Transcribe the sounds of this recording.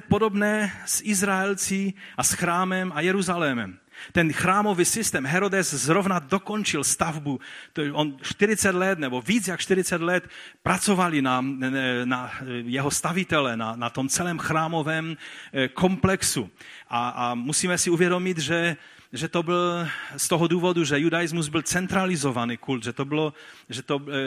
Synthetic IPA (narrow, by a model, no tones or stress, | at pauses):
podobnɛːsʔɪzɾaɛlt͡siʔasxɾaːmɛmajɛɾuzalɛmɛ̰m | t̪ɛnxɾaːmo̞visɪst̪ɛːmɦɛɾodɛszɾovnad̪okont͡ʃɪlst̪avbut̪ʔonʃt̪ɪɾɪt͡sɛd̪lɛt̪nɛboviːt͡sjakʃt̪ɪɾɪt͡sɛd̪lɛt̪pɾat͡sovalinanajɛɦost̪avɪt̪ɛlɛnanat̪omt͡sɛlɛːmxɾaːmovɛːmkʰomplɛksu | ʔaamusiːmɛsɪuvjɛdo̞mɪd̪ʒɛ | ʒɛt̪obɪlst̪oɦɔduːvoduʒɛjudajɪzmuzbɪlt͡sɛnt̪ɾalɪzovanikuld̪ʒɛt̪obɪloʒɛt̪o